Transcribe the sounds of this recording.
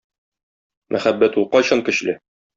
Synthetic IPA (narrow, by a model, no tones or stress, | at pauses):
mʔæχæbːæt̪ulˠqɒɕɤŋkɘ̆ɕlɘ